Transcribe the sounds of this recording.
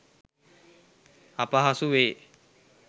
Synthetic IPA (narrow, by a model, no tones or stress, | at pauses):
apəɦasuʋeː